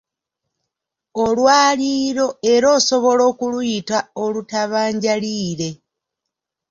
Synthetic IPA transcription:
o̞lwaːliːɾo̞e̞ɾo̞ːso̞βo̞lo̞ːkulwuitao̞lutaβaːɲɟaliːɾe̞

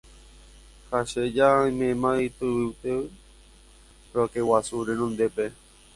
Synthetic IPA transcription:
haʃed͡ʒaimẽmãit̪ɨwiwt̪e | ɾokewasuɾenõnd̪epe

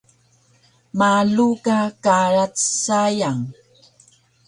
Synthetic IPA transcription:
maɮukakaɻat͡ssajaŋ

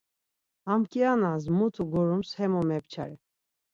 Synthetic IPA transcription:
amkʼianazmut̪ʰuɡɔɾumshɛmɔmɛpt͡ʃʰa̰ɾɛ

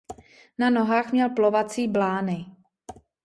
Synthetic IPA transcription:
nano̞ɦaːxmɲɛlplovat͡siːblaːnɪ

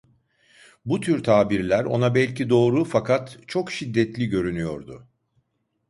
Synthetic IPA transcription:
but̪ʰyɾt̪ʰaːbiɾlʲæɾo̞̰nabɛlʲcʰid̪o̞ːɾufakʰat̪t͡ʃʰo̞kʃid̪ːɛt̪lʲiɟø̞ɾynyjo̞̰ɾd̪ʊ

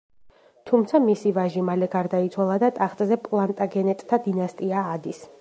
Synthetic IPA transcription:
t̪ʰumt̪sʰamisivaʒimalɛɡaɾd̪ait̪sʰwalˠad̪at̪ʼaχt̪ʼzɛpʼlˠant̪ʼaɡɛnɛt̪ʼt̪ʰad̪inast̪ʼiaːd̪is

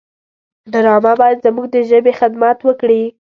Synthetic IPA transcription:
d̪aɾɑmabɑjad̪zamuɡ̚d̪əʒəbexɪd̪mat̪wəkɽi

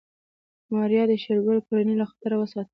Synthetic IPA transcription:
mɑɾjɑd̪əʃelɡalkolanilaxɑ̥t̪əɾawəsɑt̪ə

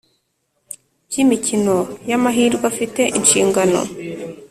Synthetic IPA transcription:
bjimicino̞jamaɦiːɾɡafite̞ʔinʃiːŋɡano̰

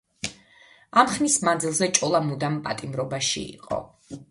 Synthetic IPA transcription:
amχmismand̪zilˠzɛt͡ʃʼɔlˠamud̪ampʼat̪ʼimɾɔbaʃḭḭqʼɔ̰

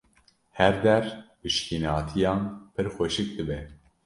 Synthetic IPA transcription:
hɛɾd̪ɛɾpɨʃkinɑːt̪ʰijɑ̃ːnpʰɨɾxʷɛʃɨk̚d̪ɨbɛ

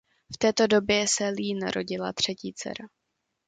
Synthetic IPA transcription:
ft̪ɛːt̪o̞do̞bjɛsɛliːna̰ɾʔo̞̰ɟɪla̰t̪r̝̥ɛciːt͡sɛ̰ɾa

